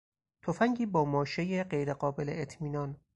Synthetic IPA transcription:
t̪ʰofæŋɟiːbɒːmɒːʃejeɢe̞jɾe̞ɢɒːbe̞leʔet̪ʰmiːnɒn

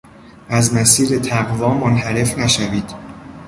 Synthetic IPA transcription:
ʔæzmæsiːɾe̞t̪ʰæɣvɒːmonɦæɾe̞fnæʃæviːd̪̥

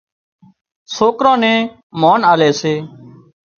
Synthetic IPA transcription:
soːkɾãːnẽː | moːnaːleːseː

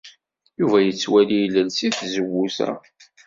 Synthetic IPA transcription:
juvæjət͡sːwælijləlsiθzəwːusæ̰

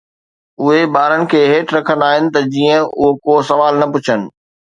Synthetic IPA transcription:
ʊɦebaːɾənɪ̆kʰeːɦeːʈʰɾɐkʰənaːɦɪnɪ̆t̪ɐd͡ʑiːə̃ʊ̰ɦokoːsɐʋaːlnɐpʊt͡ɕʰənɪ̆

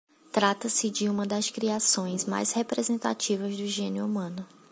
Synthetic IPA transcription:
t̪ɾat̪ɐsɪd͡ʒɪũmɐd̪ɐskɾiasõj̃zma̰jshepɾezẽnt̪a̰t͡ʃivɐzd̪ʊʒẽnɪʊumɐ̃nʊ

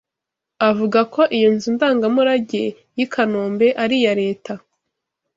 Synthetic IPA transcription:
avuɡako̞ʔijinzundaːŋɡamuɾaɟe̞ | jikʰanoːmbe̞ʔaɾijaɾe̞ːta

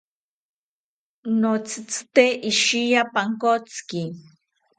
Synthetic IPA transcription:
not͡sʰɨ̥t͡sɨ̥t̪eʔiʃijapaŋkot͡ski

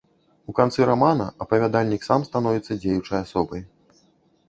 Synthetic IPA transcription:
ukant̪sɨɾamanɐɐpɐvʲad̪alʲnʲiksamst̪an̪ɔvʲit̪sːɐd͡zʲejut͡ʂɐjasɔbɐj

